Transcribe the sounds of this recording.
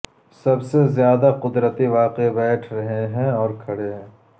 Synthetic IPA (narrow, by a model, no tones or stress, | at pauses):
sɐbsezjaːd̪aqʊd̪ɾət̪iʋaːqebɛːʈʰɾɐɦeɦɛ̃ɔːɾkʰɐɽeɦ